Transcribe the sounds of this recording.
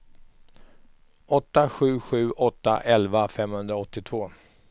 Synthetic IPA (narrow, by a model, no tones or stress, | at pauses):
ɔt̪ːaɧʉ̟ːɧʉ̟ːʔɔt̪ːa̰ʔɛlvafɛmhɵnd̪ɾaɔt̪ːɪt̪ʰv̥oː